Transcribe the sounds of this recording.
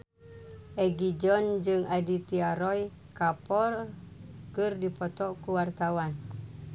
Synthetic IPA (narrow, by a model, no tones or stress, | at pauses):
ʔɛɡid͡ʒɔnd͡ʒɨŋadit̪iaɾɔj | kapɔr | kɨrdipɔt̪ɔʔkuwart̪awan